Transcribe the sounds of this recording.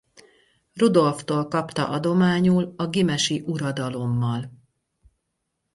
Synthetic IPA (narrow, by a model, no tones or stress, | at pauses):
rud̪o̞lft̪oːlkɒpt̪ɒ̰ʔɒd̪o̞maːɲuːlɒɡimɛʃiʔuɾɒd̪ɒlo̞mːɒl